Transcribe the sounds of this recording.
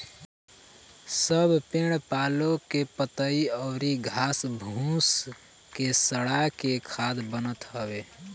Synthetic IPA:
səbʱpeɽ̃paːlokepət̪əiɔʊɾiɡʱaːsbʱũs | kesəɽakekʰaːd̪bənət̪ɦəbeː

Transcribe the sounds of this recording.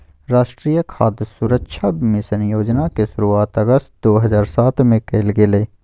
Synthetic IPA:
ɾaːʃʈɾijəkʰaːd̪suɾəkʃʰabmẽsənjoːd͡ʒnakesʊɾuaːt̪ɐɡəst̪̚d̪oːɦɐzaːɾsaːt̪ʰmẽkeːlɡɪleː

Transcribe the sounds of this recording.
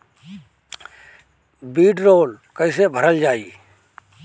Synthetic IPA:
biːɖɾoːlkəɪsebʱəɾəld͡ʒaːiː

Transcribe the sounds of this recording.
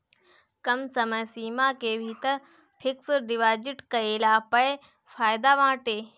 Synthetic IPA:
kɐmsɐməjsiːmakeːbʱit̪ɐ | pʰɪksɖiʋaːd͡ʑɪʈkɐeːlaːpɐe | fʰaːjd̪aːʋãːʈeː

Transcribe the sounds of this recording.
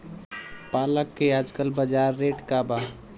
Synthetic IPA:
paːləkːeaːd͡ʒkəlbəd͡ʒaːɾːeʈkaba

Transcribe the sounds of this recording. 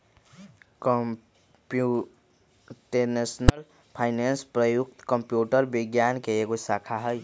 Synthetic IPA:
k | pu | ʈenesnəl | pʰaɪnenspɾəjuk̚t̪kəmpjuʈəɾbiɡjankeeɡosakʰaɦəj

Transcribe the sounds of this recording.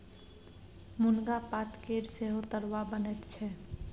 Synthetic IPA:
mʊnɡapat̪keɾseɦot̪əɾwabənɛt̪t͡ʃʰɛ

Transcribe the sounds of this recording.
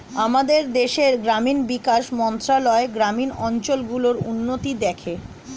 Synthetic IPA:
amad̪eɾd̪eʃeɾɡɾaminbikaʃmɔnt̪ɾalɔeɡɾaminɔɲt͡ɕolɡuloɾunːot̪id̪ɛkʰe

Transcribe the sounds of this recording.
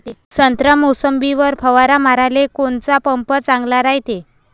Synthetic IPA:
sənt̪ɾəmusəmbiʋəɾpʰəʋaɾamaɾalekont͡sapəmpət͡sãŋɡlaɾaɦjt̪e

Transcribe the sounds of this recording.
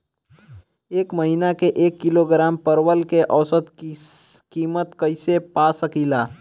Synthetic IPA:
eːkməɦinakeʔeːkːɪloɡɾaːmpəɾwəlkeʔɔːsət̪ | kiːmət̪kəɪsepasəkilaː

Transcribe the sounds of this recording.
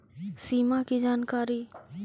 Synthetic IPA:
siːmakid͡ʒaːnkaːɾi

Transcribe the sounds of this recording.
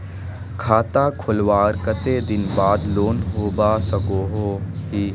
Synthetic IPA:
kʰaːt̪aːkʰʊlwaːɾkət̪eːd̪ɪnbaːd̪loːnɦoːbaːsəɡoːɦoːɦiː

